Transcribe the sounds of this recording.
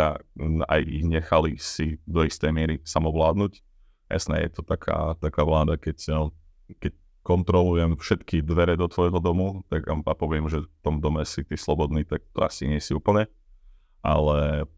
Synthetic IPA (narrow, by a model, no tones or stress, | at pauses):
aa̰jiɲɛxalisid̪ɔist̪ɛjmɪɛɾisamɔʋlaːd̪nuc | ja̰snɛ̰jɛ̰t̪ɔt̪akʰa̰ːt̪akaːʋlaːd̪akɛc | kɛc | kɔnt̪ɾɔlujɛmfʃɛt̪kid̪ʋɛɾɛd̪ɔt̪ʋɔjɦɔd̪ɔmut̪aɡa̰mpapɔʋɪɛmʒɛft̪ɔmd̪ɔmɛsit̪iːslɔbɔd̪niːt̪ak̚t̪ɔ̰a̰siɲɪɛsiuːpl̩ɲɛ | ʔa̰lɛ